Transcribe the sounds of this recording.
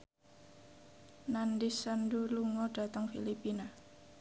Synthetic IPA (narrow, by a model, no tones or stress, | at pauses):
nandisanduluŋɔɖ̥a̤t̪əŋfilipina